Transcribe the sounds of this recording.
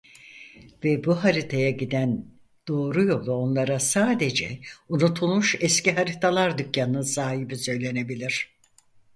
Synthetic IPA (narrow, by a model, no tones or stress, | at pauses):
vɛbuɦaɾit̪ʰajaɟid̪æn | d̪̥o̞ːɾujo̞lˠuo̞nlˠaɾasaːd̪e̞d͡ʒɛ̰unut̪ʰulˠmuʃɛsciɦaɾit̪ʰalˠaɾd̪ycjanɯnsaːɦibisø̞jlʲe̞ne̞bilʲiɾ̥